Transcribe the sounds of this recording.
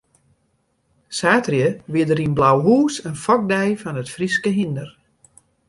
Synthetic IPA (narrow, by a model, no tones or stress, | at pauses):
saːtrjəʋɪdəɾinblawɦuːsənfɔk̚dɛjfɔnətfriskəɦindər